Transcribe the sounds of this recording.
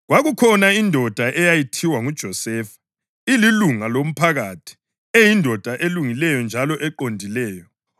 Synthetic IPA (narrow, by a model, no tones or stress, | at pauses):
ɣwaɣukʰɔnaindʱɔd̥ʱaʔɛjajitʰiwaŋud̥ʒ̥ʱɔsɛːfḁ | ililuŋalom̩pʰaɣatʰi̥ | ejindʱɔd̥ʱaʔeluŋilɛjɔnd͡ʒʱalɔʔɛǃondʱilɛːjɔ